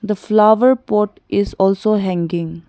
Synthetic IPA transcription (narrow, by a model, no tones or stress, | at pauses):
d̪əflaʋəɾpɔːʈ | ɪzɔːlsoːɦɛ̃ŋɡɪ̃ŋ